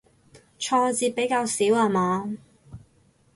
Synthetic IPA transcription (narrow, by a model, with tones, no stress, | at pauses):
t͡ʃʰɔː˧t͡siː˧t̚pe˨˥jkaː˧wsiː˨˥waː˧maː˨˧